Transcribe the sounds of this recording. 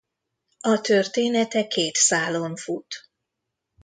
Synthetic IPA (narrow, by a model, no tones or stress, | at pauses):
ɒt̪ørt̪eːnɛt̪ɛkeːt̪saːloɱfut̪